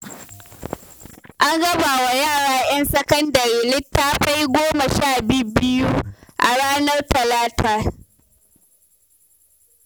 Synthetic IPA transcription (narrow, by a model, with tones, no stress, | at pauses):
ʔa˦ŋɡɐ˦baː˨wa˨jaː˦˨ɽaː˨j̰ɐ˦nsɐ˦kɐ˦ndɐ˨ɾeː˨lɪ˦tːaː˦ɸa˦jɡʷoː˦ma˨ʃaː˦˨bi˦bɪ˦ju˦ʔa̰˨ɽaː˦nɐ˦rtɐ˨laː˦tʰaː˨